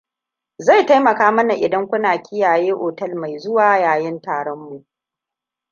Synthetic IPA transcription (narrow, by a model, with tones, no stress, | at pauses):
za˦˨jta˦jmɐ˨kaː˦mɐ˦na˨ʔɪ˨dɐ˦ŋkʷʊ˦naː˨kʲɪ˦jaː˨jeː˦ʔoː˨tɐ˦lma˨jzʊ˦waː˨jaː˨jɪ˦ntaː˨ɽɔ˦mːu˨ʔ